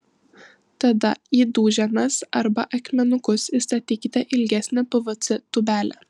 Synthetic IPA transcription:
t̪ɐd̪ɐiːd̪uːʒʲɛnɐsɐɾbɐʔɐkʲmʲɛnʊkʊsist̪ɐt̪ʲiːkʲɪt̪ʲɛʔɪlʲɡʲæsʲnʲɛpʊʋot̪sʲɪt̪ʊbʲæːlʲɛ̰

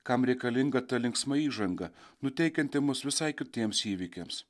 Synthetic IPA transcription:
kɐmɾʲɛɪkɐlʲɪŋɡɐt̪ɐlʲɪŋksmɐiːʒɐŋɡɐnʊt̪ʲɛɪkʲɛnʲt̪ʲɪmʊsʋʲɪsɐɪkʲɪt̪ʲiɛmsiːʋʲɪkʲems

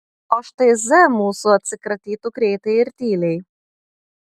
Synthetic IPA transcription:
oʃt̪ɐɪzʲɛmuːsuɐt̪ʲsʲɪkɾɐt̪ʲiːt̪ukɾʲɛɪt̪ɐɪɪɾʲt̪ʲiːlʲɛɪ

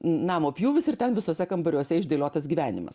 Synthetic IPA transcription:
nɑːmoːpʲjuːʋʲɪsɪrt̪ʲɛnʋʲɪsoːsʲɛkɐmbɐɾʲuɔsʲɛɪʒʲd̪ʲeːlʲoːt̪ɐsɡʲiːʋʲæːnʲɪ̰mɐ̰s

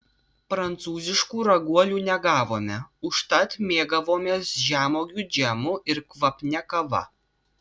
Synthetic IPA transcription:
pɾɐnt̪suːzʲɪʃkuːɾɐɡuɔlʲuːnʲɛɡɑːʋoːmʲɛʊʃt̪ɐt̪mʲeːɡɐʋoːmʲeːsʒʲæːmoːɡʲuːd͡ʒʲɛmʊʔɪɾkʋɐpʲnʲɛkɐʋɐ̰

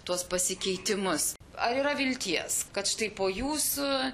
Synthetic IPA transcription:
t̪uɔspɐsʲɪkʲɛɪt̪ʲɪmʊs | ɐɾiːɾɐʋʲɪlʲt̪ʲiɛskɐt̪ʃɪ̥t̪ɐɪpoːjuːsʊ

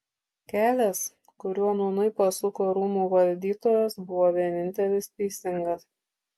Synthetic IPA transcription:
kʲæːlʲɛs | kʊɾʲuɔnʊːnɐɪpɐsʊkoːɾuːmuːʋɐlʲd̪ʲiːt̪oːjɛsbʊʋoːʋʲiɛnʲɪnʲt̪ʲɛlʲɪst̪ʲɛɪsʲɪŋɡɐs

